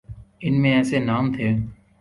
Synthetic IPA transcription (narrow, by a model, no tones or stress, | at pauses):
ɪnmẽɛːsenaːmt̪ʰeː